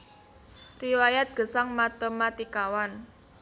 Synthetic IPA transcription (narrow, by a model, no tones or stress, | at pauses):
riwajat̪̚ɡ̥ə̤saŋmat̪əmat̪ikawan